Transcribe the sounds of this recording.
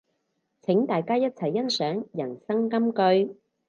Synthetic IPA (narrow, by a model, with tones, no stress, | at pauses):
t͡sʰɪ˨˥ŋt̪aː˨jkaː˥jɐ˥t̚t͡sʰɐ˨˩jːɐ˥nsœː˨˥ŋjɐ˨˩nsɐ˥ŋkɐ˥mkɵ˧ɥ